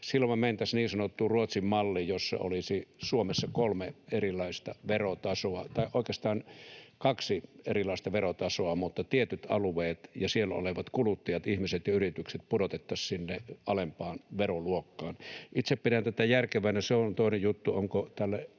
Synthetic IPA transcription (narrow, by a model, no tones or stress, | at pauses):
silːomæmeˑint̪æsniːnsɑnot̪ːuruot̪simmɑlːijosːɑ̰o̰lisisuomesːɑkolmeerilˑɑˑist̪ɑʋerot̪ɑsoɑt̪ɑiʔoˑikest̪ɑːnkɑksierilɑˑist̪ɑʋerot̪ɑsoɑmut̪ːɑt̪iet̪yt̪ɑ̰luʋeːt̪jɑsielo̰leʋɑt̪kulut̪ːɑjɑt̪ihmiset̪jɑyrit̪ykset̪̚pudot̪et̪ːɑssinːeɑlempɑːnʋeroluokːɑːnit̪seppitænt̪æt̪æjærkeʋæˑnæseont̪oˑinejjut̪ːuoŋkot̪ælːæ